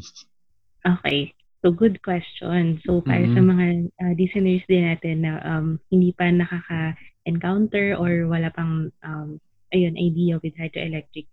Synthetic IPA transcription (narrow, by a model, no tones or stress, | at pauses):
ʔoːkḛj | soɡʊd̪̚kwɛst͡ʃonsopa̰ːɾɐsɐmɐŋaʔɐd̪isajnɛɹsd̪ɪnːaːt̪ɛnːɐʔɐmhɪnd̪iːpɐnɐkakɐʔɛnkawnt̪ɛɹʔoɹwɐlaːpɐŋʔɐm | ʔɐjonʔɐjd̪iːɐwɪd̪̚hat̪oʔɛlɛk̚t̪ɹɪk̚